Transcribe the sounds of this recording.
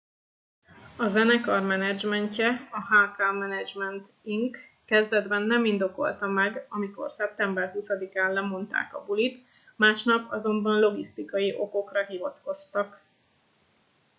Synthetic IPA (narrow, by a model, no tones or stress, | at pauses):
ɒzɛnɛkɒrmɛnɛd͡ʒmɛɲcɛɒɦaːkaːmɛnɛd͡ʒmɛnt̪ | iŋkː | ɛzd̪ɛd̪bɛnːɛmind̪o̞ko̰lt̪ɒmɛɡɒmiko̞̰rsɛp̚t̪ɛmbɛrɦusɒd̪ikaːnlɛmo̞nt̪a̰ːkɒ̰bulit̪ | maːʃnɒpɒzo̞mbɒnlo̞ɡist̪ikɒjiʔo̞ko̞krɒɦivɒt̪ko̞st̪ɒk